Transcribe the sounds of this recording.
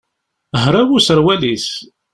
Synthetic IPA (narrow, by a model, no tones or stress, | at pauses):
ɦɾˤawusəɾˤwælis